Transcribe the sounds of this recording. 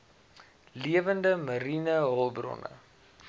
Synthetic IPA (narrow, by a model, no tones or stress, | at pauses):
liəvəndəməɾinəɦɔlˠbrɔ̰nə̰